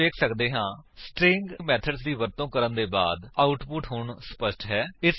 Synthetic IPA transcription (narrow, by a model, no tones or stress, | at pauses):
eːkʰsəkd̪eːɦãːsʈɾɪ̃ŋɡmɛːt̪ʰəɖsd̪iːʋəɾt̪õːkəɾənd̪eːba̰ːd̪aːʊʈpʊʈɦʊɳsə̥pəsʈɦɛːɪs